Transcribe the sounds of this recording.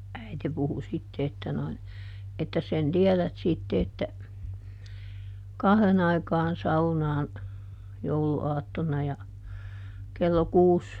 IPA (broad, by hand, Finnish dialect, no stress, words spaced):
æite puhu sitːe etːæ noin etːæs sen tiɛlæt sitːe etːæ kɑhðen ɑikɑːn sɑunɑːn jouluɑːtːonˑɑ jɑ kelːo kuːs